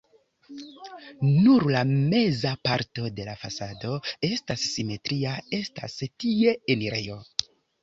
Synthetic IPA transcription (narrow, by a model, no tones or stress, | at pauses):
nuɾlame̞zapaɾto̞de̞lafasado̞e̞stasːime̞tɾiae̞sta̰stie̞eniɾe̞jo̞